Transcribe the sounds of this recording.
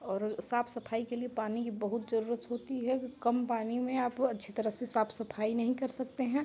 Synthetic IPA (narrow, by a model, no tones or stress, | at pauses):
ɔːɾsaːpʰsɐpʰaːikeliepaːnikibɐɦʊt̪zɐɾuːɾət̪ɦoːt̪iɦɛkkɐmpaːnimẽaːpɐtːʃʰet̪ɐɾəɦsesaːpʰsɐpʰaːinɐɦĩkɐɾsɐk̚t̪eɦɛ̃